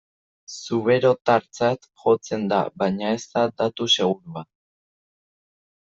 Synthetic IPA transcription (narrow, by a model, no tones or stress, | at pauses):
suβe̞ɾo̞t̪aɾt͡sat̪xo̞t͡se̞nd̪a̰βajɲae̞st̪ad̪at̪use̞ɣ̞uɾuβat̪